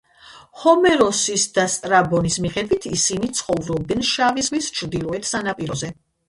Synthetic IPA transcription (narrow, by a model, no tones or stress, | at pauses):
hɔmɛɾɔsisd̪ast̪ʼɾabɔnismiχɛd̪vit̪ʰisinit̪sʰχɔvɾɔb̚d̪ɛnʃavizʁwist͡ʃʰɾd̪ilˠɔɛt̪ʰsanapʼiɾɔzɛ